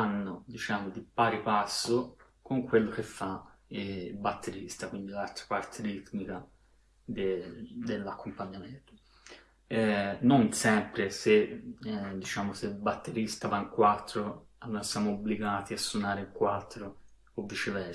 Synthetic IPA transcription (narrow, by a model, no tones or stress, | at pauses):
anːod̪it͡ʃaːmod̪ipaːɾipasːo | koŋkwelːok̟efːa | ilbat̪ʰːeɾist̪akwind̪ilalt̪ɾapart̪ʰeɾit̪nika | d̪ed̪elːakːompaɲːament̪o̥ | ɛnonsɛmpɾese | d̪it͡ʃaːmoselbat̪ːeɾist̪avaiŋkwat̪ːɾo | alːoɾasjaːmoobliɡaːt̪iasːunaːɾekwat̪ːɾoː | vːit͡ʃevɛɾ